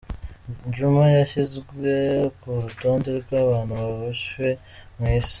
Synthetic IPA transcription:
nd͡ʒumajaçizɡwekuɾuto̞ːnde̞ɾɡwaːβaːn̤̥huβaβaʃwe̞ | mwiːsi̥

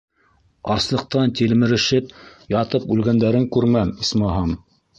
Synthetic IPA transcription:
ɑslˠɤ̆q̚t̪ɑnt̪ilmɘ̆ɾɘ̆ʃɘpjɑt̪ɤpʉlɡænd̪æɾɘŋkʉɾmæmismɑɦɑm

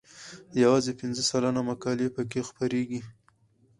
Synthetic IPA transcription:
jawɑzepɪnzəsalanamakɑlepəkexpəɾeɡi

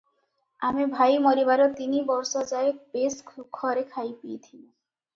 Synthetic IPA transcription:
amibʱajmɔɾibaɾot̪inibɔɾʃɔd͡ʑaebeskʰukʰːɔɾekʰajpiet̪ʰili

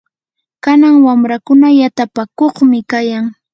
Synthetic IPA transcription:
kanaŋwamɾakʊnajat̪apakoχmɪkajaŋ

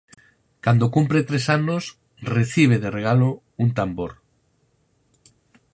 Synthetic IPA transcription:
kand̪okumpɾet̪ɾesanos | reθiβ̞eðereɣ̞alo | unt̪amboɾ

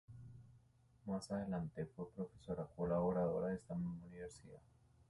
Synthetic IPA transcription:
masaðe̞lant̪e̞fwepɾo̞fe̞so̞ɾakolaβoɾaðo̞̰ɾaðest̪ammuniβeɾsiða̰

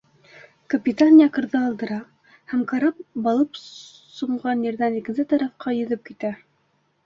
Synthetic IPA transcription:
kɐpʲit̪anjɑqɤ̆ɾðɤːlˠd̪ɤ̆ɾɑ | hæmkɑɾɑp̚bɑlˠɤp | sŏɴʁɑnjɘ̆ɾðænikɘ̆nsɘt̪ɑɾɑfqɑjɵ̆ðɵp̚kit̪æ

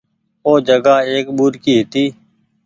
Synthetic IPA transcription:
oːd͡ʒəɡaːeːkɓuːɾkiːɦɪt̪iː

